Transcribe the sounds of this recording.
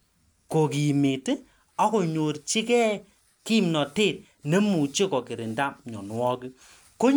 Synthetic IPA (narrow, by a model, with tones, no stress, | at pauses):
ko˨ki˨mi˨te˦ | a˦ko˨ɲo˨ɾt͡ʃi˦kɛ˦ | ki˦˨mnɔ˨te˦˨t̚ | ne˦mu˨t͡ʃe˦kɔ˨ki˨ɾi˨nda˦mɲɔ̰˨n˨ɔ˦ki˦ | ko˦